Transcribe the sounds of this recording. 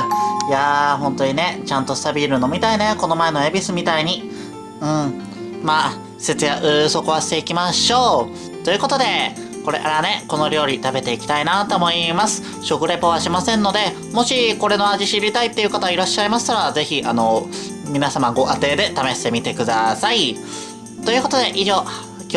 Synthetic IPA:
jaɦõ̞nt̪o̞ɲ̟ine̞t͡ɕãnt̪o̞st̪abʲiɾɯ̟no̞mʲit̪aine̞ko̞no̞mae̞no̞ebʲisɨmʲit̪aiɲ̟i | ɯ̟̃ɴ | maː | se̞t͡sɨjaʔɯ̟so̞koβaɕi̥t̪e̞ikʲimaɕo̞ː | t̪o̞jɯ̟ko̞t̪o̞d̪e̞ | ko̞ɾe̞̰aɾane̞ko̞no̞ɾʲo̞ːɾʲit̪abe̞t̪e̞ikʲi̥t̪ainat̪o̞ːmo̞imasɨ̥ | ɕo̞kɯ̟ɾe̞poβaɕimasẽ̞nːo̞d̪e̞ | mo̞ɕiko̞ɾe̞no̞aʑiɕiɾʲit̪ait̪ːe̞iɯ̟kat̪aiɾaɕːaimasɨ̥t̪aɾaze̞çiʔano̞ | mʲinasamaɡo̞ʔat̪e̞ːd̪e̞t̪ame̞ɕi̥t̪e̞mʲit̪e̞kɯ̟d̪asai | t̪o̞jɯ̟ko̞t̪od̪e̞ʔiʑo̞ː | kʲ

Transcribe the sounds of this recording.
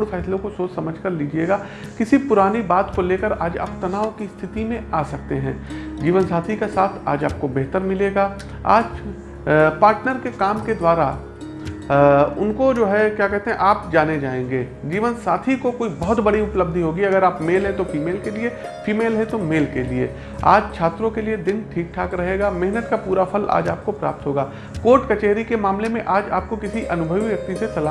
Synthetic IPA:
ɽfʰɛːslõkosoːt͡ʃsɐməd͡ʒʱkəɾliːd͡ʒieːɡaː | kɪsipʊɾaːnibaːt̪koleːkəɾa̰ːd͡ʒa̰ːp̚t̪ɐnaːʋkist̪ʰɪt̪imẽaːsɐk̚t̪eɦɛ̰̃ːd͡ʒiːʋənsaːt̪ʰikesaːt̪ʰa̰ːd͡ʒaːp̚kobɛɦt̪əɾmɪleːɡaː | a̰ːd͡ʒ | paːɾʈnəɾkekaːmked̪waːɾa | ʊ̰nkod͡ʒoːɦɛkjaːkɛɦt̪eɦɛ̃ʔaːpd͡ʒaːned͡ʒaːẽːŋɡeːd͡ʒiːʋənsaːt̪ʰikokoːibɔɦʊt̪bɐɽiʊpləb̚d̪ʱiɦoːɡiɐɡəɾaːpmeːlɦɛ̃t̪ofiːmeːlkelie | fiːmeːlɦɛ̃t̪omeːlkeliḛ | a̰ːd͡ʒt͡ʃʰaːt̪ɾõkelied̪ɪnʈʰiːk̚ʈʰaːkɾɐɦeːɡaːmɛɦnət̪kapuːɾapʰɐla̰ːd͡ʒa̰ːp̚kopɾa̰ːp̚t̪ɦoːɡaː | koːɾʈkɐt͡ʃeːɾikemaːmlemẽʔaːd͡ʒa̰ːp̚kokɪsiʔɐnʊbʱəʋiʋjɐk̚t̪isesɐlaː

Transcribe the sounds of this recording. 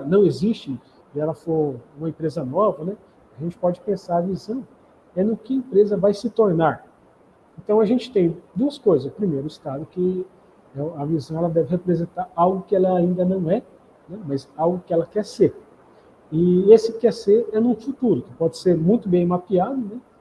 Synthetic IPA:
nɐ̃w̃ezist͡ʃɪ̃ | ɪɛlɐfoɾũmɐẽmpɾezɐnɔvɐnɛ | aʒẽnt͡ʃɪ̥pɔd͡ʒɪpẽsaɾɐvizɐ̃w̃ | ɛnʊkɪɐẽmpɾezɐvajsɪt̪oɾnaɾ | ẽnt̪ɐ̃w̃ɐʒẽnt͡ʃɪ̥t̪ẽj̃d̪uɐskojzɐspɾimejɾʊɪst̪ad̪ʊkɪ | ɛɐvizɐ̃w̃ɛlɐd̪ɛvɪhepɾezẽnt̪aɾawɡʊkɪɛlɐaĩnd̪ɐnɐ̃w̃ɛ | nɛmɐzawɡʊkɪɛlɐkɛɾseɾ | ɪesɪkɛɾseɾɛnʊ̃fut̪uɾʊkɪpɔd͡ʒɪseɾmũj̃t̪ʊbẽj̃mapiad̪ʊnɛ

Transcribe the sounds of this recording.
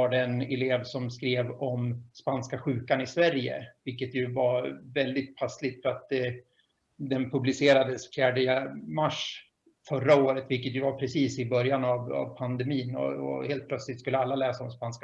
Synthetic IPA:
vaɖɛɛnɛleːvsɔmskɾeːvɔmspanskaɧʉ̟ːkanɪsvæɾjə̰vɪlkːət̪jɵvaɾvɛld̪ɪt̪̚pʰaslɪɡ̚t̪fœɾat̪̚d̪ɛ | d̪ɛnpʰɵblɪseːɾad̪əsfjæːɖəəmaʂ | fœɾːaoːɾət̪vɪlkət̪jɵvaɾpʰɾɛsiːsɪbœɾjanava̰vpʰand̪ɛmiːnɔ̰ɔ̰heːlt̪plœt̪slɪt̪skɵlːəalːalɛːsaɔmspansk

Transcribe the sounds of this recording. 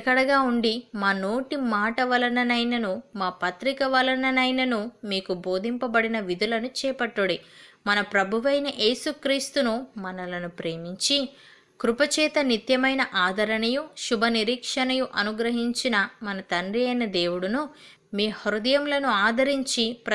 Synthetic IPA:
kɐɽɐɡaːuɳɖimaːno̞ːʈimaːʈɐʋɐlɐnɐnɐjnɐnumaːpɐt̪ɾikɐʋɐlɐnɐnɐjnɐnumiːkubo̞ːd̪ʱimpɐbɐɽinɐʋid̪ulɐnut͡ʃɛːpɐʈːuɽimɐnɐpɾɐbʱuʋɐjnɐʔe̞ːsukɾiːst̪unumɐnɐlɐnupɾe̞ːmiɲt͡ʃi | kɾupɐt͡ʃɛːt̪ɐnit̪jɐmɐjnɐʔaːd̪ʱɐɾɐɳɐjuʃubʱɐniɾiːkʂɐnɐjuʔɐnuɡɾɐɦiɲt͡ʃinɐmɐnɐt̪ɐɳɖijɐjnɐd̪eːwuɽunu | miːhɐɾud̪ɐjɐmlɐnuaːd̪ʱɐɾiɲt͡ʃipɾɐ

